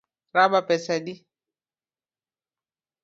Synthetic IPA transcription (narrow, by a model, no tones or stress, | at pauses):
ɾabapɛsadi